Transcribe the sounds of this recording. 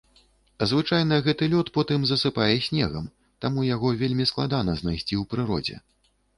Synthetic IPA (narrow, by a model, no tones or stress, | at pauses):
zvɨt͡ʂajn̪ɐɣɛt̪ɨlʲɔt̪pɔt̪ɨmzɐsɨpajɛsʲnʲɛɣɐ̰m | t̪amujaɣɔvʲelʲmʲisklˠad̪anɐznajsʲt͡sʲiwpɾɨɾɔ̰d͡zʲɛ̰